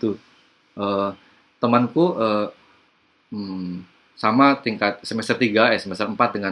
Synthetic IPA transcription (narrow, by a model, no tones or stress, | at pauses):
t̪u | ʔəː | t̪əmankuəː | samat̪iŋkat̪̚səmɛst̪ərt̪iɡajasəmɛsərəmpat̪̚dəŋa